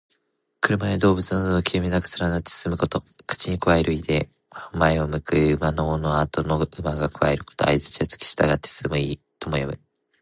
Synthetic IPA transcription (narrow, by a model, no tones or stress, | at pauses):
kɯ̟ɾɯ̟maed̪o̞ːbɯ̟t͡sɨnad̪ookʲʰiɯmʲinakɯ̟̥sɨɾanat̪ːe̥sɨmɯ̟ko̞t̪o̞kɯ̥t͡ɕiɲ̟ikɯβaeɾɯ̟id̪e̞ | maeomɯ̟kɯ̟ɯmanoːno̞at̪o̞noɯ̟maɡakɯ̟βaeɾɯ̟ko̞̥t̪o̞̰a̰izɨ̥t͡ɕiat͡sɨ̥kʲi̥ɕi̥t̪aɡat̪ːessɨmɯ̟iː | t̪o̞mojomɯ̟